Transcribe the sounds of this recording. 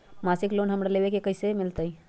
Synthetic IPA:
maːsɪkloːnɦɐmɾaleːʋekekɐisemɪlt̪ai

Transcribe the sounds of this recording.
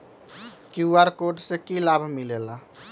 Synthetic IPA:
kuaɾkoʈsekilabʱmilela

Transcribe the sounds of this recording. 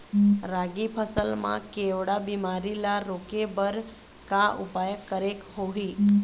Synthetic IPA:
ɾaɡipʰəsəlmã̰keʋɽabimaɾilaɾokebəɾ | kaʔupajəkːəɾekɦoɦi

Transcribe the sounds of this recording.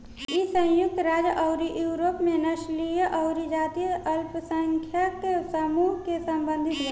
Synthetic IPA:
isə̃j̃jʊk̚t̪ɾaːd͡ʒʔəʊɾijuːɾoːpmenɐʃlijəʔɐʊɾid͡ʒaːt̪ijʔɐlpsəŋkʰjakesəmuːɦkesəmbə̃nd̪ʱit̪ɡ

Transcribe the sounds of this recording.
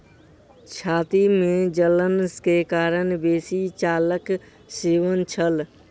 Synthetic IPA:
t͡ʃʰaːt̪imẽd͡ʒələnskekaːɾənbeːsit͡ʃaːlək | seːʋənt͡ʃʰəl

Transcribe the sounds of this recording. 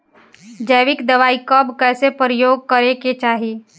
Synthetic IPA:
d͡ʒəːʋɪkd̪ɐʋaːikɐbkɛːsepəɾəjoːɡ̚kɐɾeket͡ʃaːɦiː

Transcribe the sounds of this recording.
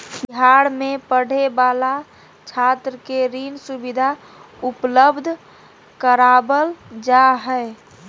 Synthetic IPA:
biɦaɽmẽpəɽ̤ebaːla | t͡ʃʰat̪ɾəkeɾiːnsubid̪ʱa | ʊpləbd̪ʱ | kəɾaːbəld͡ʒaɦɛː

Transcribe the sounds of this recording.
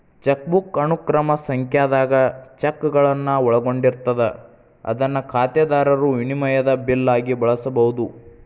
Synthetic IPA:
t͡ʃɐk̚bukɐnukɾɐmɐsɐŋkjaːd̪aːɡɐt͡ʃɐkːɡɐɭɐnːɐɔɭɐɡo̞ɳɖiɾt̪ɐd̪e | ɐ̰d̪ɐnːɐkʰaːt̪jɐd̪aːɾɐɾuinimɐjɐd̪ɐbilːaːɡibɐɭɐsɐbɐɦud̪u

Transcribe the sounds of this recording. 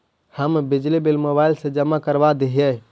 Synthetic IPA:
həmbid͡ʒlibelmobailsẽd͡ʒəmːakəɾbad̪eɦjə

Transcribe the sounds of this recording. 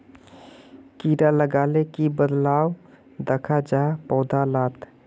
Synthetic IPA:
kiɾaləɡalekibəd̪law | d̪əkʰad͡ʒapɔːd̪alaːt̪

